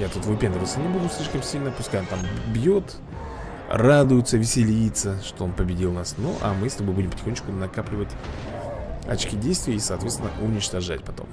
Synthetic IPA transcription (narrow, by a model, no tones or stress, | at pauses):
jat̪ut̪vɨpʲend̪əvət̪sənʲɪbud̪ʊsʲlʲiʂkəmsʲilʲnəpʊskajɪmt̪ambjot̪ | rad̪ʊjʊt̪səvʲɪsʲɪlʲijɪt̪səʂt̪o̞o̞npəbʲɪdʲilˠnasnuʔa̰mɨst̪obojbudʲɪmpətʲɪ̥xonʲːt͡ɕʲkʊnɐkaplʲɪvətʲ | ɐ̰t͡ɕkʲidʲejst̪vʲɪjəisɐːt̪vʲet̪ʲɪnəʔʊnʲɪt͡ɕt̪ɐʐa̰tʲpɐt̪o̞̰m